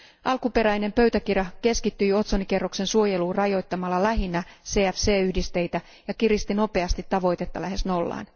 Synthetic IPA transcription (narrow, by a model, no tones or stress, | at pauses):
ʔɑlkupe̞ɾæjne̞mpø̞ɥt̪ækirjɑke̞skit̪ːyjo̞t̪sonike̞rːokse̞nsuo̞jeluːrɑjo̞jt̪ːɑmɑlːɑlæɦinːæseːæfse̞ːyhdist̪e̞jt̪æ | jɑkirist̪ino̞pe̞ɑst̪it̪ːɑʋo̞jt̪e̞t̪ːɑlæɦe̞sno̞lːɑ̰ːn